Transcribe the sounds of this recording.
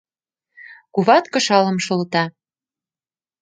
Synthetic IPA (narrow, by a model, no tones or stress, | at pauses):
kuβɑt̪kɤ̆ʃɑlɤ̆mʃɤ̆lt̪ɑ